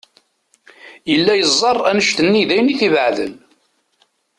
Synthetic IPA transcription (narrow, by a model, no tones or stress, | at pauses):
jəlːæjəzˤːɑrˤːænəʃt̪ənːiðæjniθivəʕðə̰l